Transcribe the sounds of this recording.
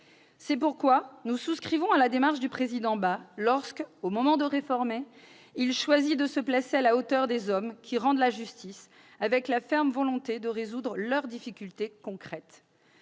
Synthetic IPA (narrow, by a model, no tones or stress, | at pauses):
sɛpuʁkwanususkχivɔ̃alad̪emaʁʃd̪ypχezid̪ɑ̃balɔʁskomɔmɑ̃d̪əʁefɔʁme | ilʃwazid̪əsəplasealaot̪œʁd̪ezɔmkʲʰiʁɑ̃d̪laʒyst̪is | avɛklafɛʁmvɔlɔ̃t̪ed̪əʁezud̪ʁəlœʁd̪ifikʲylt̪ekɔ̃kχɛt̪